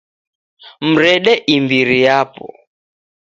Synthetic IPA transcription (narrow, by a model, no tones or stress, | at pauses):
m̩ɾɛɗɛʔimbiɾijapɔ̰